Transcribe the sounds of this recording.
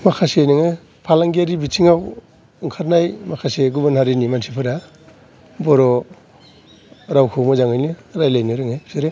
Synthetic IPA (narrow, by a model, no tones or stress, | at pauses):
makʰasejnɯŋe | pʰalaŋɡiaɾibitʰiŋaw | ɯŋkʰaɾnajmakʰaseɡubanhaɾinimansʰipʰɯɾa | bɔɾɔ | ɾawkʰɔwmɔzaŋɯjniɾajlajniɾɯŋeseɾe